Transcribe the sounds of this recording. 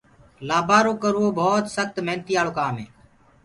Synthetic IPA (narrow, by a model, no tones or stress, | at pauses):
laːbʱaːɾõːkəɾoːbʱoːt̪səxt̪mẽːnt̪iːaːloːkaːmeː